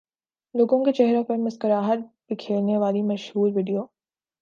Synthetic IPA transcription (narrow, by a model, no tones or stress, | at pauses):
loːɡõket͡ʃɛɦɾõpɐɾmɪskəɾaːɦət̪̚bɪkʰeːlneʋaːlimɐʃhuːɾʋiːɖijoː